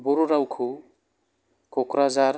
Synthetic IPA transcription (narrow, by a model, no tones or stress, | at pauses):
boɾuɾawkʰu | kokɾazaɾ